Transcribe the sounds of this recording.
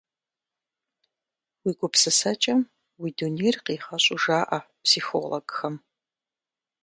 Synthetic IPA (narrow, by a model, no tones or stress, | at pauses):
wiːɡʷʊpsɨsɐt͡ʃʼɐm | wiːdunejrqiːχɐɕʼʊʒaːʔa | psiːxo̰ːloɡ̥xɐm